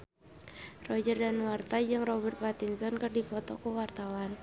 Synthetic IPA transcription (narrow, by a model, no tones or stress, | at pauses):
rɔd͡ʒərdanwart̪ad͡ʒɨŋrɔbɛrt̪̚bat̪insɔnkərdipɔt̪ɔkəwart̪awan